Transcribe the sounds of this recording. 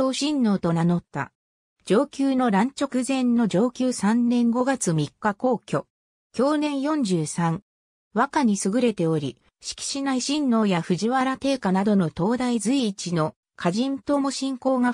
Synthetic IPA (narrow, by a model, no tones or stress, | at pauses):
oːɕĩnːo̞ːt̪o̞nano̞t̪ːa̰ | d͡ʑo̞ːkʲɨːno̞ɾãɲ̟t͡ɕo̞kɯ̟zẽ̞nːo̞d͡ʑo̞ːkʲɨːsãnːẽ̞ŋɡo̞ɡat͡sɨmʲikːako̞ːkʲo̞ | kʲo̞ːnẽ̞ɰ̃jõ̞ɲ̟d͡ʑɨːsãŋ | βakaɲ̟isɨɡɯ̟ɾe̞t̪e̞o̞ɾʲi | ɕi̥kʲi̥ɕinaiɕĩnːo̞ːjaɸɯ̟ʑiβaɾat̪e̞ːkanad̪o̞no̞t̪o̞ːd̪aizɨiːt͡ɕino̞ | kʰaʑĩnt̪o̞mo̞ɕĩŋko̞ːɡa